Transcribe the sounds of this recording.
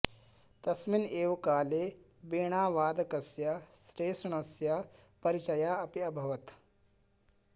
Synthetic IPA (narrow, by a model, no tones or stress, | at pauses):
t̪ɐsmineːʋkaːleː | biːɳ̃aːʋaːd̪ɐkɐsjaʃɾeːsɳɐsjapɐɾit͡ʃɐjaːɐpiɐbʱɐʋɐt̪